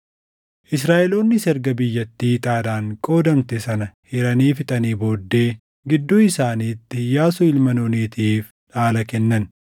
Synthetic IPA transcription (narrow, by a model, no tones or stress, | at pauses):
ʔɪsɾaːʔɛloːnːɪsɛɾɡɐbɪjːɐt̪ːiːt̪ʼaːd̪aːŋkʼo̞ːd̪ɐmt̪esɐnɐhɪɾɐniːfɪt̪ʼɐniːbo̞ːd̪ːe̞ː | ɡɪd̪ːoːɪsaːniːt̪ːɪjaːsʊɪlmɐnoːniːt̪ʰiːf | ᶑaːlɐkɛnːɐn